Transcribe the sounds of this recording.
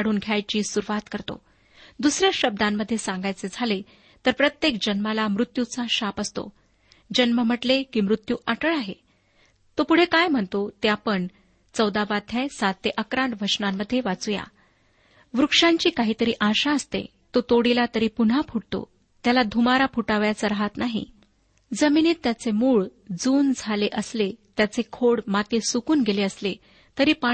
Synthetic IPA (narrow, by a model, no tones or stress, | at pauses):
ɽ̤uːnɡʱjajt͡ɕiːsuɾuʋat̪kəɾt̪o̰ | d̪usɾjaɕəb̚d̪ãmːəd̪ʱːjesãŋɡajt͡sed͡zʱale | t̪əɾpɾət̪jekd͡ʑənmalamɾut̪jut͡saɕapəst̪o̰ | d͡ʑənməm̤əʈlekiːmɾut̪juːʔaʈəɭaɦe | t̪opuɽ̤ekajm̤əɳt̪ot̪japəɳ | t͡səwd̪aʋad̪ʱjãjsat̪ːeʔəkɾãɳʈʋət͡ɕnamːəd̪ʱːjeʋat͡suja̰ | ʋɾukʂaɲt͡ɕiːkaɦiːt̪əɾiːʔaɕaəst̪ḛ | t̪ot̪oɽilat̪əɾiːpun̤apʰuʈt̪o̰ | t̪jalad̪ʱumaɾapʰuʈaʋjat͡səɾaɦat̪naɦḭ | d͡zəminiːt̪ːjat͡semuːɭ | d͡zuːnd͡zʱaleʔəslet̪jat͡sekʰoɽmat̪esukuːnɡeleəsle | t̪əɾiːpa